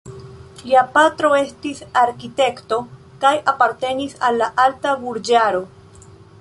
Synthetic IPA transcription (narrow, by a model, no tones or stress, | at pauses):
liapatɾo̞e̞stisaɾkite̞kto̞ | kajapaɾte̞nisalːaʔaltabuɾd͡ʒaɾo̞